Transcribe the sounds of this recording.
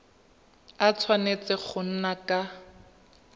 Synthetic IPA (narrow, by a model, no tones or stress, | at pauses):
at͡sʰwanet͡sɪχʊn̩nakʼa